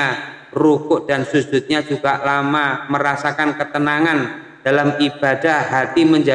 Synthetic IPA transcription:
a | rukʊʔd̥ansud͡ʒʊt̪̚ɲad͡ʒuɡaʔlamaməɾasakankət̪ənaŋan | d̥alamib̥adahhat̪iməɲd͡ʒa

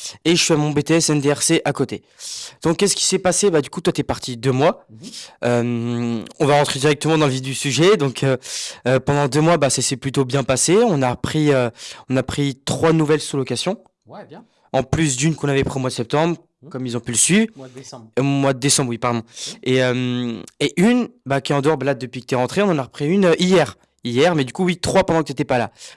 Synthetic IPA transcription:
eʒəfɛamɔ̃bet̪eɛsɛnd̪eɛʁseʔakot̪e | d̪̥ɔ̃kʲːɛsə̥kʲi̥sɛpasebad̪ykut̪wat̪yɛpaʁt̪ʰid̪ømwa | ømɔ̃vaʁɑ̃t̪χed̪iʁɛk̚t̪əmɑ̃d̪ɑ̃ləvid̪ysyʒɛd̪ɔ̃kʰøːpɑ̃d̪ɑ̃d̪ømwabasasɛplyt̪objɛ̃paseɔ̃napχiøɔ̃napχit̪χwanuvɛlsulɔkasjɔ̃ | ɑ̃plys̬d̪ynkɔ̃navɛpχiomwad̪əsɛp̚t̪ɑ̃bʁ | kɔmilzɔ̃pyləsɥi | omwad̪əd̪esɑ̃bʁwipaʁd̪ɔ̃eømeʔynbakʲɛɑ̃d̪əɔʁbalad̪ːəpɥikət̪yɛʁɑ̃t̪χeɔ̃nɑ̃naʁəpχiynøʔijɛʁ | ijɛʁmɛd̪ykuwit̪χwapɑ̃d̪ɑ̃kət̪et̪ɛpala̰

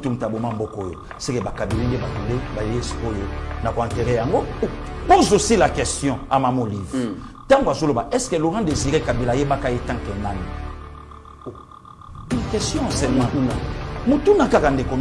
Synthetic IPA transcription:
tum̩tabomam̩bokɔjo̰ | sɛkebakabilendebatundebajeesojonakoɛ̃nteʁɛjaŋɡopozosilakɛstjɔ̃amamolivtãŋɡoazolobaʔɛskɛloʁãdeziʁɛkabilajebakajetãŋkɛnani | kɛstjɔ̃sɛmwɛ̃motunakakandeko

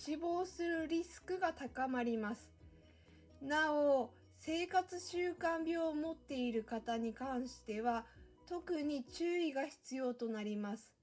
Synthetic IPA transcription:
ɕibo̞ːsɨɾɯ̟ɾʲisɨ̥kɯ̟ɡat̪akamaɾʲimasɨ̥ | nao | se̞ːkat͡sɨɕɨːkãmbʲjo̞ːmo̞t̪ːe̞iɾɯ̟kat̪aɲ̟ikãɰ̃ɕi̥t̪e̞βa | t̪o̞kɯ̟ɲ̟it͡ɕɨːiɡaçi̥t͡sɨjo̞ːt̪o̞naɾʲimasɨ̥

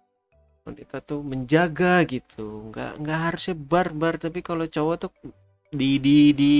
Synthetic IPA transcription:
ɔ̰nit̪at̪uməɲd͡ʒaɡaɡit̪ʰuŋɡa̰ŋɡaʔɦaɾusɲabarbart̪ap̬ikalot͡ʃowat̪u | dididi

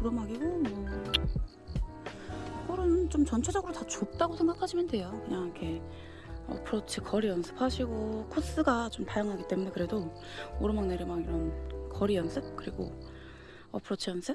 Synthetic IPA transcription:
kɯɾʌmaɡiɡom | koɾɯnt͡ɕomt͡ɕʌnt͡ɕʰod͡ʑʌɡɯɾotat͡ɕop̚t͈aɡosʰe̞ŋɡakʰaɕʰimjʌndwe̞jokɯɲaŋikʰe̞ | ʌ̰pʰɯɾʌt͡ɕʰikʰʌɾijʌnsʰɯ̥pʰaɕʰiɡokʰos͈ɯɡat͡ɕomtajaŋɦaɡit͈e̞mune̞kɯɾe̞do | oɾɯnmaŋneɾemaɡiɾʌnkʌɾijʌns͈ʰɯp̚kɯɾiɡo̰ | ʌpʰɯɾʌt͡ɕʰijʌns͈ʰɯ

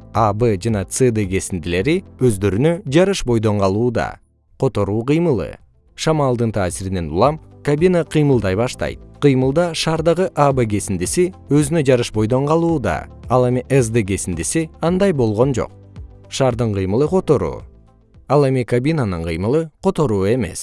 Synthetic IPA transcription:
abəd͡ʒɑnɑt̪sɨd̪ɨɡe̞sind̪ile̞ɾiøzd̪ø̞ɾynø̞d͡ʒɑɾɯʃbo̞jd̪o̞ɴqɑlˠuːd̪ɑ̰ | qʰo̞t̪o̞ɾuːqɨjmɯlˠɯ̰ | ʃɑmɑːlˠd̪ɯnt̪ʰaːsiɾine̞nṵlˠɑmkabʲinaqʰɨjmɯlˠd̪ɑjbɑʃt̪ɑ̰jt̪̚qʰɯjmɯlˠd̪ɑʃɑːɾd̪ɑʁɯʔabeɡe̞sind̪isiø̞zynød͡ʒɑɾɯʃbo̞jd̪o̞ɴqɑlˠuːd̪ɑ̰ɑlˠe̞miʔesd̪eɡe̞sind̪isiɑnd̪ɑjbo̞lˠʁo̞nd͡ʒo̰q̚ | ʃɑːɾd̪ɯɴqʰɨjmɯlˠɯqʰo̞t̪o̞ɾṵː | ɑlˠe̞mikabʲinanɯɴqʰɯjmɯlˠɯqʰo̞t̪o̞ɾuːe̞me̞̰s

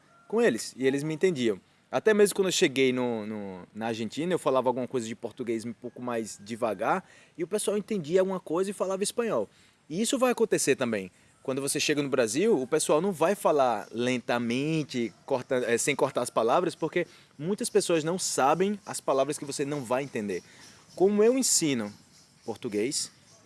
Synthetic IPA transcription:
kõelɪsɪelɪzmɪẽnt̪ẽd͡ʒiɐ̃w̃ | at̪ɛmezmʊkɐ̃newʃeɡejnʊnʊnɐaɾʒẽnt͡ʃĩnɐewfalavɐawɡũmɐkojzɐd͡ʒɪpoɾt̪uɡejzm̃powkʊmajzd͡ʒivaɡaɾ | ɪʊpesuawẽnt̪ẽnd͡ʒiɐawɡũmɐkojzɐɪfalavɐispɐ̃ɲɔw | ɪisʊvajakõnt̪eseɾt̪ɐ̃mbẽj̃ | kwɐ̃nd̪ʊvoseʃeɡɐnʊbɾaziwʊpesuawnɐ̃w̃vajfalaɾlẽnt̪ɐmẽt͡ʃɪkoɾt̪ɐ̃ɛsẽj̃koɾt̪aɾɐspalavɾɐspoke | mũj̃t̪ɐspesoɐznɐ̃w̃sabẽj̃ɐspalavɾɐskɪvosenɐ̃w̃vajẽnt̪ẽnd̪eɾ | kõmʊewẽsĩnʊ | poɾt̪uɡejs

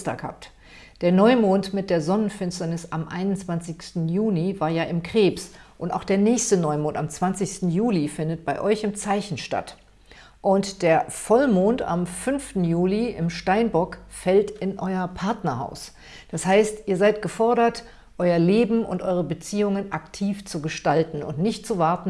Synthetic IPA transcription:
sta̰ːkha̰ːp̚t | d̥eːɐnɔʏmoːntmɪt̚d̥eːɐzɔnənfɪnstɐnɪsʔamʔa̰ɪnʊnt͡sv̥ant͡sɪçstn̩juːlivaːɐjaːʔɪmkʁ̥eːpsʔʊnta̰ʊxd̥eːɐnɛːçstənɔʏmoːntamt͡sv̥ant͡sɪçstn̩juːlifɪndət̚b̥aɪʔɔʏçɪmt͡saɪçn̩ʃta̰t | ʔʊntd̥eːɐfɔlmoːnta̰mfʏnftn̩juːliɪ̰mʃtaɪnbɔkfɛltɪnʔɔʏɐpʰaɐtnɐha̰ʊs | d̥ashaɪstʔiːɐzaɪtɡ̥əfɔɐɾɐt | ʔɔʏɐleːbm̩ʊ̰ntʔɔʏʁəbət͡siːʊŋənʔaktʰiːft͡suɡəʃtaltn̩ʊ̰ntnɪçt̚t͡suvaɐtn̩

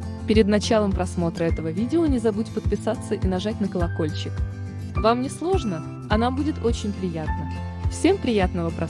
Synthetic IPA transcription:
pʲɪɾʲɪd̪nɐt͡ɕalˠəmpɾɐsmo̞t̪ɾəɛt̪əvəvʲidʲɪonʲɪzɐbutʲpət̪̚pʲɪsat̪sːəʔinɐʐat̚ʲnəkəlˠɐko̞lʲt͡ɕɪk | vamnʲɪslˠo̞ʐnə | ɐnambudʲɪt̪o̞t͡ɕɪnʲpɾʲɪjat̪̚nə | fsʲe̞mpɾʲɪjat̪nəvəpɾɐ

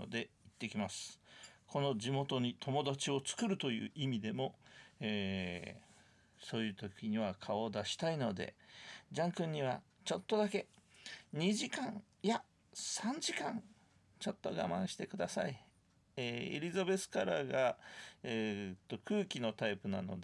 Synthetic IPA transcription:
o̰d̪e̞it̪ːe̞kʲimasɨ̥kʰo̞no̞d͡ʑimo̞t̪o̞ɲ̟it̪ʰo̞mo̞d̪at͡ɕio̞t͡sɨ̥kɯ̟ɾɯ̟t̪o̞jɯ̟̰ːʔimʲid̪e̞mo̞eː | so̞ːjɯ̟ːt̪o̞kʲiɲ̟iβ̞akʰao̞d̪aɕi̥t̪aino̞d̪e̞̰d͡ʑãŋkɯ̟̃ɲ̟ːiβ̞a̰ | t͡ɕo̞t̪ːo̞d̪ake̞ɲ̟iʑikãŋ | ja | sãɲ̟d͡ʑikãŋ | t͡ɕo̞t̪ːo̞ɡa̰mã̰ɰ̃ɕi̥t̪e̞kɯ̟d̪asa̰i | eːḛɾʲizabe̞t͡sɨ̥kaɾaɡaet̪ːo̞kɯːkʲino̞t̪aipɯ̟na̰no̞̰d̪

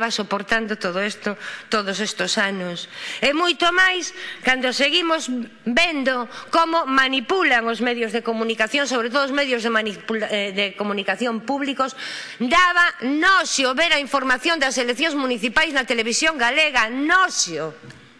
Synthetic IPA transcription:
βasopoɾt̪and̪ot̪oðoest̪ot̪oðʊsest̪osanʊsemujt̪omajskand̪oseɣimoz | bend̪okomomanipulaŋozmɛðjozðekomunikaθjoŋsoβɾet̪̬oðozmɛðjozðemanipuðekomunikaθjompuβlikosd̪aβanɔsjoβeɾaiɱfoɾmaθjond̪ɐselekθjõŋzmuniθipajznɐt̪eleβisjoŋɡaleɣɐnɔsjo

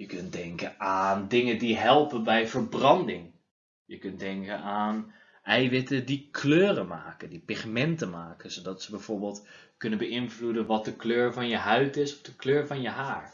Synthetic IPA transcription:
jəkøntdɛŋkəaːndɪŋəndiɦɛlˠpənbɛjvəɹbrɑndɪŋ | jəkøntdɛŋkənaːn | ʔɛjʋɪtədikʰløːrəmaːkəndipixmɛntəmaːkəsodɑtsəbɛjv̥oːɹbɪːlˠtkʏnəbəɪnvludənʋɔt̚dəkløːɹvɔnjəɦœɥtɪsɔfdəkløːɹvɔnjəɦaːɹ

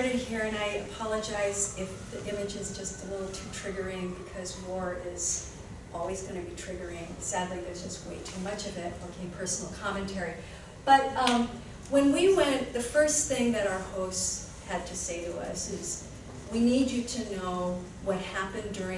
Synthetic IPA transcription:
ɾɨd̚hiɹɨ̃naɪɨpʰɑlˠəd͡ʒaɪzɪfðiʔɪ̃mɨd͡ʒɨzd͡ʒʌstəlɪɾl̩ˠtʰʉtʰɹ̥ɪɡə˞ɪ̃ŋbɨkʰʌzwɔɹɪz̥ | ʔɔlˠwizɡʌñɨbitʰɹ̥ɪɡə˞ɪ̃ŋsædˡliðə˞zd͡ʒʌst̚weɪtʰʉmʌt͡ʃʌvɪt̚lakʰɪ̃ŋpʰɜ˞sn̩l̩ˠkʰɑmɨ̃ntʰɛɹi | b̥ʌt̚ʌ̃ | wɨ̃nwiwɛ̃nðɨfɜ˞sθɪ̃ŋðɨɾaʊə˞hoʊst | hɨd̚tʰɨseɪɾəʌ̰sɪz | winid͡ʒɨɾɨnoʊ | wʌt̚hæpɨ̃ndʊɹɪ̃

